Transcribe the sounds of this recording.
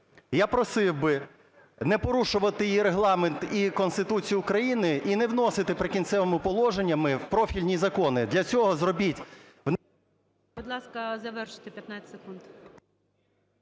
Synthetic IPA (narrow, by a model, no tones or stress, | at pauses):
japɾɔsɪwbɪ | nɛpɔɾuʃʊʋɐt̪ɪjiɾeɦlˠɑment̪ikɔnst̪ɪt̪ut͡sʲijʊːkɾɐjinɪʔinɛwnɔsɪt̪ɪpɾɪkʲint̪sɛʋemʊpɔlˠɔʒenʲːɐmɪpɾɔfʲilʲnʲizɐkɔnɪd̪lʲɐt͡sʲɔɦɔzrɔbʲitʲ | wn | bʊd̪lˠɑskɐzɐʋɛrʃɪ̥t̪epʲjɐt̪nat͡sʲsekund̪